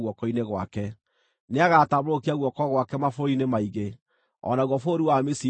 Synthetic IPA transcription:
ɣwɔkɔineɣwa̰kɛ | neaɣataβɾokiaɣwɔkɔɣwakɛmafoinemaiɣe | ɔ̰naɣwɔfoɾiwamesi

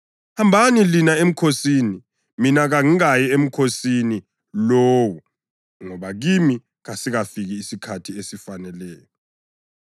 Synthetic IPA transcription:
hambʱanilinaem̩kʰosini | minaɣaŋiajɛem̩kʰosini | loːwu | ŋɔβaɣimi | ɣasiɣafiɣiːsikʰatʰiesifanɛlɛːjɔ

